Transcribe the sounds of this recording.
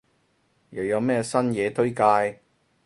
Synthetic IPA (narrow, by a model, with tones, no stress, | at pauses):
jɐ˨˩wjɐ˨˧wmɛː˥sɐ˥njɛː˨˧t̪ʰɵ˥ɥkaː˧j